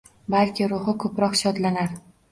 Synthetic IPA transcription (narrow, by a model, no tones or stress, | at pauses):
balkʲʰɪɾʊhɨkʰɵpɾɒqʃɒd̪lanaɾ